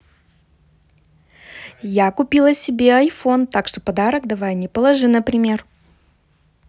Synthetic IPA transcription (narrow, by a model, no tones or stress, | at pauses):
jakʊpʲilˠəsʲɪbʲeɐjfo̞nt̪akʂt̪o̞pɐd̪aɾəkd̪ɐvajnʲɪpəlˠɐʐɨnəpɾʲɪmʲe̞r